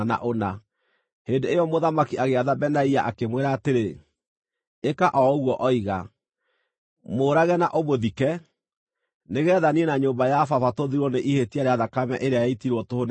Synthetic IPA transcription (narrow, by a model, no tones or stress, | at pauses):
na̰ʔona | heːndeejɔmoðamakiaɣeaðabɛnaiaʔakemweɾaːteɾe | ekaʔɔɣwɔʔɔiɣa | moːɾaɣɛnaʔomoðikɛ | neɣɛːðaniɛnaɲoːmbajafafatoðiɾwɔneʔihetiaɾeaðakamɛ̰ʔeɾeajaitiɾwɔtohon